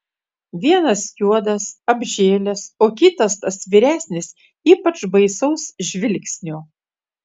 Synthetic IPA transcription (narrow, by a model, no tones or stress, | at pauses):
ʋʲiɛnɐsjuɔd̪ɐsɐbʲʒʲeːlʲɛsoːkʲɪt̪ɐst̪ɐsʋʲiːɾʲæːsʲnʲɪs | iːpɐt͡ʃbɐɪsɐʊsʒʲʋʲɪlʲksʲnʲoː